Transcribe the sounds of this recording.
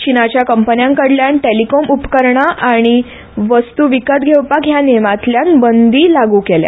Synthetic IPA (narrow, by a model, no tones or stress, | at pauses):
t͡ɕinat͡ɕjakəmpənjãŋkəɽljaɳʈelikɔmupkəɾɳaʔaɽ̃i | ʋəst̪uʋikət̪ɡʱewpakjanemat̪ljanbənd̪iːlaɡuːkelja̰